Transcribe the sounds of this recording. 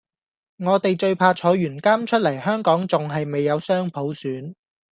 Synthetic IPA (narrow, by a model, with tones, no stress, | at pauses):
ŋɔː˨˧t̪e˨jt͡ʃɵ˧ɥpʰaː˧t͡ʃʰɔː˨˧jyː˨˩nkaː˥mt͡ʃʰɵ˥t̚lɐ˨˩jhœː˥ŋkɔː˨˥ŋt͡sʊ˨ŋɦɐ˨jme˨jːɐ˨˧wsœː˥ŋpʰo˨˥wsyː˨˥n